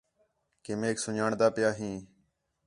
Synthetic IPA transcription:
keːmeːksʊɲaːɳd̪aːpɪjaːɦĩː

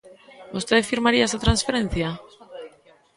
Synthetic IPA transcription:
ust̪eðfiɾmaɾiasat̪ɾansfe̞ɾe̞n̟θia

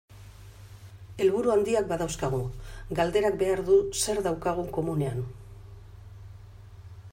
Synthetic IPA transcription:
e̞lβuɾuand̪iak̚baðawskaɣ̞uɡald̪e̞ɾakbe̞aɾðuse̞ɾðawkaɣ̞uko̞mune̞an

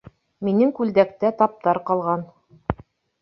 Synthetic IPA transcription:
minɘŋkʉld̪æk̚t̪æt̪ɑp̚t̪ɑɾqɑlˠʁɑn

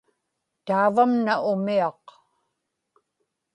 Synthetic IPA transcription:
t̪aːvamnaʔʊmiɑq

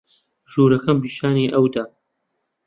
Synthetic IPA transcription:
ʒuːɾɐkɐmpiːʃaːniːʔɐwd̪a

